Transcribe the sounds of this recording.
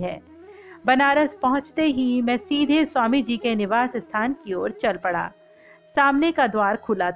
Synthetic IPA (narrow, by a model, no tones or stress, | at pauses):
ɦɛː | bɐnaːɾəspɐɦʊ̃t͡ʃt̪eɦimɛ̃ːsiːd̪ʱeswaːmid͡ʒiːkenɪʋaːsɪst̪ʰaːnkioːɾt͡ʃɐlpɐɽa̰ː | saːmnekad̪waːɾkʰʊlat